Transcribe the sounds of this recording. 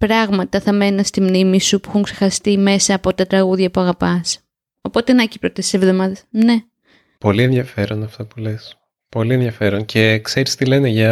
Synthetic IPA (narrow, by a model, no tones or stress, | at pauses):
pɾɐɣmɐt̪ɐθɐme̞nɐst̪imnimisupuixuŋkse̞xɐst̪ime̞sɐːpo̞t̪ɐt̪ɾɐɣuðʝɐpuɐɣɐpɐs | opo̞t̪enɐcipɾot̪esisevðo̞mɐðesne̞ | po̞lienðʝɐfe̞ɾonɐft̪ɐpule̞s | po̞lienðjʝɐfe̞ɾoncʰe̞kse̞ɾist̪ile̞neʝɐ